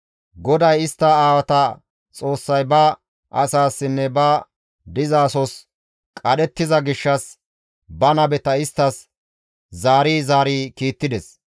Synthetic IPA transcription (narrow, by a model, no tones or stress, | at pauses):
ɡɔd̪ɐjɪst̪ːɐaːwɐt̪ɐ | t͡sʼo̞ːsːɐjbɐ | ʔɐsaːsːɪnːɛbɐ | d̪ɪzaːsɔs | kʼɐɗɛt̪ːɪzɐɡɪʃːɐs | bɐnɐbɛt̪ɐɪst̪ːɐs | zaːɾiːzaːɾiːkiːt̪ːɪd̪ɛs